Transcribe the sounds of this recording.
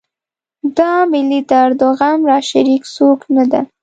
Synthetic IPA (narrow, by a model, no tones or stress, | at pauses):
d̪ɑmɪlid̪əaɾd̪ʊɣanɾɑʃaɾiksoknad̪a